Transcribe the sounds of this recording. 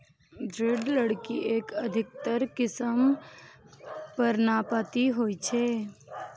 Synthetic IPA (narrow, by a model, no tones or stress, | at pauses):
d̪ɾɪɖləɽkiʔeːkəd̪ʱɪk̚t̪əɾkɪsəm | pəɾnapat̪iɦoːit͡ʃʰeː